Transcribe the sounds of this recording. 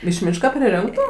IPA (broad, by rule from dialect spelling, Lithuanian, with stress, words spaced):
ɪʃ ˈmʲiːʃkɐ pʲrʲɪˈrʲɪŋktʊ